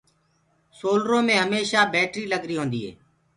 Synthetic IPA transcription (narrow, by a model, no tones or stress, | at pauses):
soːlɾõːmẽːɦəmeːʃaːbeːʈɾiːləɡɾiːɦõːnd̪iːɦḛː